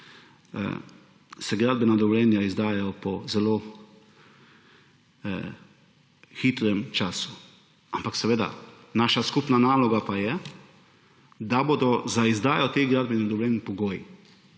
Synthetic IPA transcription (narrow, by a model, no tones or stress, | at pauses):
sɛɡɾaːd̪̚bɛnad̪ɔʋɔljɛːnjaizd̪aːjajɔpɔzɛloː | xit̪ɾɛmt͡ʃaːsu̥ | ampaksɛʋeːd̪a̰ | naːʃaskupnanaːlɔɡapajɛ | d̪aboːd̪ɔzaizd̪aːjɔt̪eɡɾaːd̪̚bɛnad̪ɔʋlʲjɛnpɔɡoːji